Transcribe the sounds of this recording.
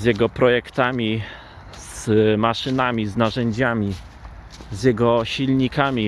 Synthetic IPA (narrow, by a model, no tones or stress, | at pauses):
zʲjɛɡɔpɾɔjɛkt̪amʲi | z̥maʂɘnamʲiznaʐɛɲd͡ʑamʲi | zjɛɡɔɕilɲikamʲi